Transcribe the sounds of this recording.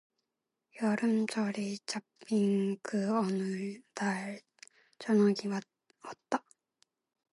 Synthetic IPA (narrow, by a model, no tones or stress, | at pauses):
jʌɾɯmt͡ɕʌɾit͡ɕapːiŋkʰɯʌnɯd̪aɭ | t͡ɕʌnʌɡiwa | ʌtt̪͈ːa